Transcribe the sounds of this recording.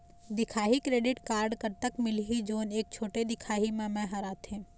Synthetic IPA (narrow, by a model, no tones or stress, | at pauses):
d̪ɪkʰaːɦikɾeːɖɪʈkaːɾɖkɐɾt̪əkmɪlɦid͡ʒoːneːk̚t͡ʃʰoːʈed̪ɪkʰaːɦimẽmɛ̃ɦɐɾaːt̪ẽː